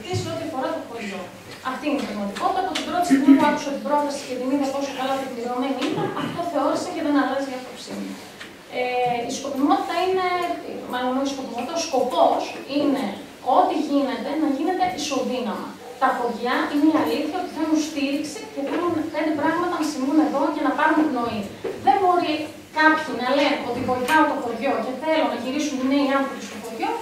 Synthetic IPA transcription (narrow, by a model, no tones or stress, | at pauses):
t̪iseo̞t̪iɐfo̞ɾɐt̪opoʝo | ɐft̪iineðɐɣmɐt̪iko̞t̪it̪ɐpot̪ib̪ɾo̞t̪isinipuɐku̥sɐt̪ibɾo̞t̪ɐsi̥cet̪imiðep̪o̞sokɐlɐt̪ekliɾo̞me̞niinɐʔɐft̪o̞θe̞o̞ɾiseceðe̞nɐlɐziɐpopsimu | eiskopimo̞t̪i̥t̪ɐine̞mɐlomeisko̞pimot̪it̪ɐosko̞po̞sine̞ | o̞t̪iʝine̞t̪e̞nɐʝine̞t̪e̞ʔiso̞ðinɐmɐ̰ | t̪ɐpo̞ʝɐineɐliθçɐot̪i̥θe̞nunst̪iɾiksice̞θelunfend̪ipɾɐɣmɐt̪ɐnɐsimune̞ðo̞cɐnɐpɐɾunet̪ino̞iðe̞bo̞ɾi | kɐpçinɐle̞no̞t̪ibo̞ɾiθɐot̪oxoʝo̞ce̞θe̞lonɐʝiɾisunineiɐnθopist̪oxo̞ʝo̞